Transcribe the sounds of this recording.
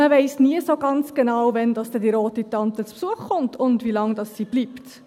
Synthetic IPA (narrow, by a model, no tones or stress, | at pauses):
əvɛɪsniəsoɡɑnt͡sɡ̥ənɑwvɛndɑsd̥ɛdiɾoːtitɑntət͡spsuəχχʊntʰʊndvilɑŋdɑsːib̥liːpt